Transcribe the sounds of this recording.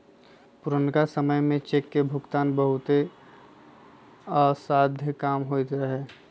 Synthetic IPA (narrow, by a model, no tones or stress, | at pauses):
pʊɾənkasəməjmẽt͡ʃeːkːebʱʊkt̪aːnbəɦʊt̪e | ɔːɾsaːd̪ʱjəkaːmɦot̪eɦɛː